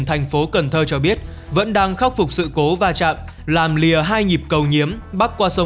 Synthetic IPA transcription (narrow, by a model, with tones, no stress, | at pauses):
nt̪ʰɛ˨˩jŋ̟fo˨˦kə˨˩nt̪ʰəː˧t͡ɕɔ˧ɓi˦˥ət̚ | və̰˧˥nɗaː˧ŋxa˦˥k͡p̚fʊ˨˩k͡p̚sɨ̰˧˨ko˨˦vaː˧t͡ɕa̰ː˧˨m | laː˨˩mli˨˩əɦaː˧jɲi˨˩p̚kə˨˩wɲi˨˦əmɓa˦˥k̚kwaː˧sə˨˦